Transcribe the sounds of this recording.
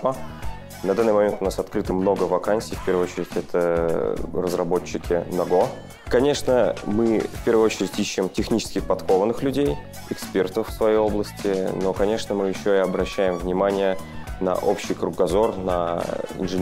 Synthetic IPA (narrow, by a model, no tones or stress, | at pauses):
ə | nɐd̪anːɨmɐmʲe̞nt̪ʊnasɐt̪kɾɨt̪əmno̞ɡəvɐkansʲijfpʲe̞rvɨot͡ɕɪɾʲɪtʲɛt̪ʰə | rəzrɐbot͡ɕːɪkʲɪnɐɡo̞ | kɐnʲe̞ʂnəmɨfpʲe̞rvəɨjot͡ɕɪɾʲɪtʲiɕːɪmtʲɪxnʲit͡ɕɪ̥skʲɪxpɐt̪kovənːɨxlʲʉdʲej | ɪkspʲe̞rt̪əfːsvɐjejo̞blˠəsʲtʲʰɪno̞kɐnʲe̞ʂnəmɨjɪɕːoɪɐbɾɐɕːæjɪmvnʲɪmanʲɪjənɐ̰ʔo̞pɕɪjkɾʊɡɐzo̞rnɐ̰ɪ̰nʐɨ